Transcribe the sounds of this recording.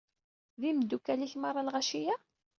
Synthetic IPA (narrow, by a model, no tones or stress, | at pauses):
ðiməd̪ːukːæliçmaɾˤːɑlʁaʃijæ